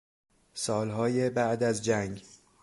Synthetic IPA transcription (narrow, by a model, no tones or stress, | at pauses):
sɒːlɦɒːjebæʔd̪æzd͡ʒæŋɡ